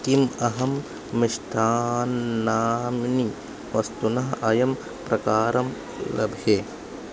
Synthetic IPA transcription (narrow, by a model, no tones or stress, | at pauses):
k̪imɐɦɐmː | iʃt̪ʰaːnːaːmni | ʋɐst̪unɐɦɐɐjɐm | pɾɐkaːɾɐm | lɐ̰bʱjeː